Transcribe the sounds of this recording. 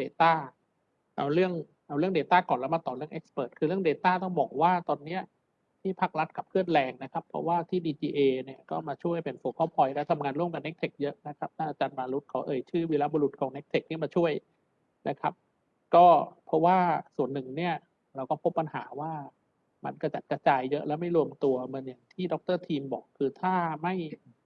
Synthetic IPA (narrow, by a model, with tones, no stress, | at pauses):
deː˧t̪aː˥˩ | ʔa˧wɾɯ˥˩əŋ | ʔa˧wɾɯ˥˩əŋdeː˧t̪aː˥˩kɔː˨˩nlɛ˦˥wma˧t̪ɔː˨˩ɾɯ˥˩əŋʔe˦k̚spɤː˨˩t̪̚kʰɯː˧ɾɯ˥˩əŋdeː˧t̪aː˥˩t̪ɔ˥˩ŋbɔː˨˩k̚waː˥˩t̪ɔː˧nːi˦˥ɐ | t̪ʰiː˥˩pʰa˦˥k̚ɾa˦˥t̪̚kʰa˨˩p̚kʰɯ˥˩ən̚lɛː˧ŋna˦˥kʰa˦˥pʰɾɔ̰˦˥waː˥˩t̪ʰiː˥˩diː˧t͡ɕiː˧ʔeː˧ni˦˥˩əkɔː˥˩maː˧t͡ɕʰu˥˩əjpe˧nfoː˧kʰɔː˥˩pʰɔ˧jlɛ˦˥wt̪ʰa˧mŋaː˧nɾu˥˩əmka˧ne˦˥k̚t̪ʰe˨˩k̚jɤ˦˥ʔna˦˥kʰa˦˥p̚t̪ʰa˥˩ʔaː˧t͡ɕaː˧nbaː˧lu˦˥t̪̚kʰa˨˩wʔɤː˧jt͡ɕʰɯː˥˩wiː˧laː˦˥boː˧lu˨˩t̪̚kʰɔː˩˦ŋne˦˥k̚t̪ʰe˨˩k̚nʰiː˥˩maː˧t͡ɕʰu˥˩əj | nʔa˦˥kʰa˦˥p̚ | kɔː˥˩pʰɾɔ˦˥waː˥˩su˨˩ənːɯ˨˩ŋni˥˩ɐ | ɾa˧wkɔː˥˩pʰo˦˥pːa˧nɦaː˩˦waː˥˩ | ma̰˧nka˧t͡ɕa˨˩t̪̚ka˧t͡ɕaː˧jːɤ˦˥ʔlɛ˦˥wma˥˩jɾu˧əmt̪u˧ɐm˧nja˨˩ŋt̪ʰiː˥˩dɔ˦˥k̚t̪ɤː˥˩t̪ʰiː˧mbɔ̰ː˨˩kʰːɯː˧t̪ʰaː˥˩ma˥˩j